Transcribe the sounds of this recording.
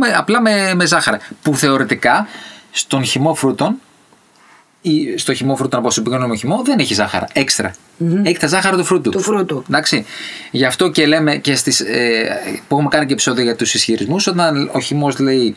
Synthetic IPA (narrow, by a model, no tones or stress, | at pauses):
meɐplɐmemezɐxɐɾɐpuθe̞o̞ɾet̪ikɐst̪o̞nçimo̞fɾut̪o̞n | ist̪o̞çimo̞fɾut̪onɐpoosipikonomoçimo̞ðe̞neçizɐxɐ̰ɾɐ̰e̞kst̪ɾɐ̰ | ekst̪ɾɐzɐxɐɾɐt̪ufɾut̪utfɾut̪ud̪ɐksiʝɐft̪o̞ce̞le̞me̞ce̞st̪isepuexumekɐnicepisoðioʝɐt̪usisçiɾizmuso̞t̪ɐnoçimo̞zle̞i